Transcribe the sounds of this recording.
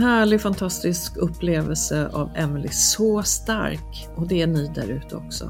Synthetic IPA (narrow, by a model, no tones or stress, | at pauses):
ɦæːɭɪfant̪ʰast̪ɪskɵpːleːvəlsəʔa̰vɛnəlɪsɔst̪a̰ɾk | ʔɔd̪ɛæɳyːd̪æ̰ɾʉ̟ːt̪əɔ̰ksɔ̰